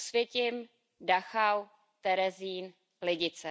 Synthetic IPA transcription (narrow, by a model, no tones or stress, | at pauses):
svjɛcɪm | daxaw | t̪ɛɾɛziːn | lɪɟɪt͡sɛ